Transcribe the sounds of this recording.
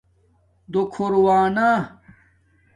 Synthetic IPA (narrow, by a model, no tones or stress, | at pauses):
d̪okʰoɾwaːnaː